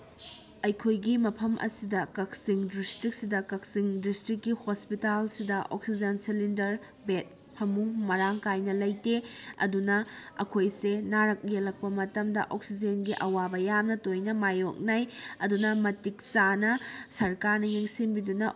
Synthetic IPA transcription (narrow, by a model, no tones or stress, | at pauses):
ɐjkʰojɡimɐpʰɐmʔɐ̰sidɐkɐk̚siŋdistɾik̚sidɐkɐk̚siŋdistɾikːihospitalsidɐʔo̰ksid͡ʒɐnsilindɐɾ | bet̚ | pʰɐmuŋmɐɾaŋkajnɐlɐjteɐ̰dunɐɐ̰kʰojsenaɾɐk̚jelɐk̚pɐmɐtɐmdɐ̰ʔok̚sid͡ʒenɡiʔɐwabɐjamnɐtojnɐmajok̚najɐdunɐmɐtik̚sanɐsɐɾkaɾnɐjeŋsinbidunɐ